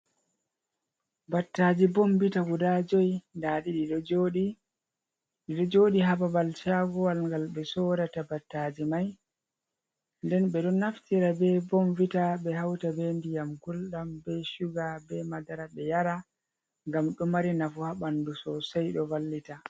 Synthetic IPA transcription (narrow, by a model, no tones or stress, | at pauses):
batːad͡ʒibɔmbitaɡudad͡ʒɔjndaɗiɗiɗɔd͡ʒoɗi | ɗiɗɔd͡ʒoːɗiɦababalt͡ʃaɡɔwalŋɡalɓɛsɔːɾatabatːad͡ʒimaj | ndɛnɓɛɗɔnːaftiɾabɛbɔmvitaɓɛɦawtabendijamkulɗambɛʃuɡabɛmadaɾaɓɛjaɾa | ŋɡamɗɔmaɾinafuhaɓandusɔsajɗɔvalːita